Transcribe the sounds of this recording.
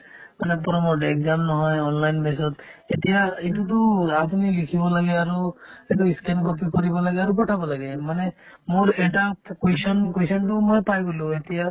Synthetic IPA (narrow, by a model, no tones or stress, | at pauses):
manɛpɔɾɔmɔekzamnɔɦɔjɔnlajnbes̬ɔt̪et̪ijaitut̪̬ɔapunilikʰibɔlaɡɛaɹueʈuiskenkɔp̬ikoɹibɔlaɡɛaɹupɔʈʰabɔlaɡɛmanɛ | moɹeʈakesɔnkejsɔntumojpajɡolũet̪ija